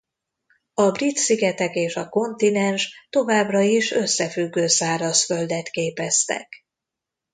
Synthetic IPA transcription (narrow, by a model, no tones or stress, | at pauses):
ɒbrit̪siɡɛt̪ɛkeːʃɒko̞nt̪inɛnʃt̪o̞vaːbrɒiʃø̞sːɛfyɡːøːsaːɾɒsfø̞ld̪ɛt̪keːpɛst̪ɛ̰k